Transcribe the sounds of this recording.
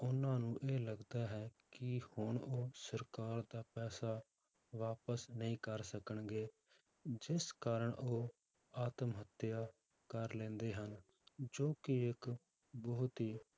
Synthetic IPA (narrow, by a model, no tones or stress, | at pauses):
ʊnãːnũːʔeːləɡd̪aːɦɛːkɪhʊɳoːsəɾkaːɾd̪aːpɛːsaː | ʋaːpəsnəĩːkəɾsəkəɳɡeː | d͡ʒɪskaːɾəɳʔoː | aːt̪əmɦət̪jaː | kəɾlɛ̃ːnd̪eːɦən | d͡ʒoːkɪɪk | bəːʊt̪iː